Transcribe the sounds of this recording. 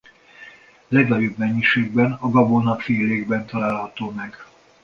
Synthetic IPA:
lɛɡɒjobmɛɲːiʃeːɡ̚bɛnɒɡɒbonɒfeːleːɡbɛnt̪ɒlaːlɦɒt̪oːmɛɡ

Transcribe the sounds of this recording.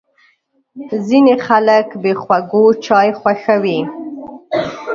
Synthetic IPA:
zinexaləkbexwaɡot͡ʃɑjxwaxawi

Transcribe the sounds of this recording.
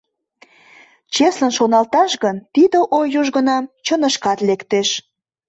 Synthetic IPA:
t͡ɕeslənʃonɑlt̪ɑʃɣənt̪id̪əʔojuʒɣənɑmt͡ɕənəʃkɑt̪lekt̪eʃ

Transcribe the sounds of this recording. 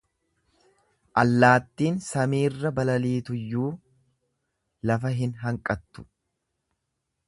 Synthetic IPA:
ʔɐlːaːt̪ːiːnsɐmiːrːɐbɐlɐliːt̪ʊjːuː | lɐfɐɦɪnɦɐŋkʼɐt̪ːʊ̥

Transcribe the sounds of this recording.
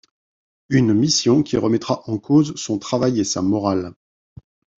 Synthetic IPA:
ynmisjɔ̃kʲiʁəmɛt̪χaʔɑ̃kozsɔ̃t̪χavajesamɔʁal

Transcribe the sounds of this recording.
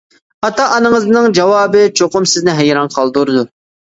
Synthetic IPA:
ɑt̪ɑʔɑnɨŋəznɨŋd͡ʒɑwɑːbɨt͡ʃʰoqʊmsɪznɪɦɛjɾɑnqʰɑlˠd̪uɾɨd̪u

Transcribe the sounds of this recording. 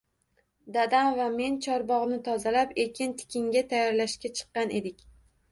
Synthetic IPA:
d̪ad̪amvame̞nt͡ʃʰɒɾbɒʁnɪt̪ʰɒzalapekʲʰɪnt̪ʰɪ̥kʲʰɪŋɡʲat̪ʰajːɒɾlaʃkʲat͡ʃʰɨ̥qːɑnʔe̞d̪ɪkʲ

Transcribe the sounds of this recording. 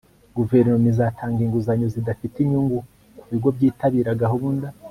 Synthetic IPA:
ɡuve̞ɾnomizatʰaːŋɡiŋɡuzaɲozidafitiɲuŋɡu | kuβiɡo̞bɟiːtaβiːɾaɡaɦuβunda

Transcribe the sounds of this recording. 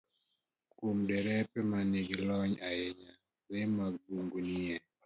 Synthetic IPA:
kumdɛɾɛpɛmaneɡilɔɲaɛɲa | ɾemaɡbuŋɡunɪɛ

